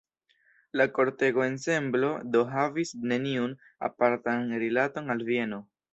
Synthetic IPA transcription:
lako̞ɾte̞ɡo̞e̞nse̞mblo̞do̞ɦavisne̞niun | a̰paɾtanɾilato̞nalvie̞no̞

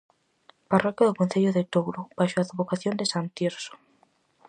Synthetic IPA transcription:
parɔkjaðʊkõn̟θeʎʊðet̪owɾʊbajʃoaðβokaθjond̪esant̪eɾso̥

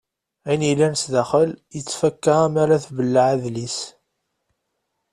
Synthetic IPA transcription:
ænilːænsðæχəljət͡sːfækːəʁæmaɾaθvəlːaʕaðlis

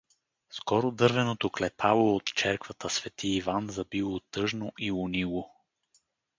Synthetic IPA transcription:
skɔɾod̪ɤɾvɛnot̪oklɛpʰalˠoːt̪t͡ʃɛɾkvət̪əsvɛt̪iːvanzɐbilˠot̪ɤʒnoʔiʊnilˠo

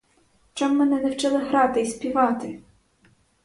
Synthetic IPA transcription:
t͡ʃɑmːɛnɛnɛwt͡ʃɛlˠɪɦɾɑt̪ɪispʲiʋɑt̪ɪ

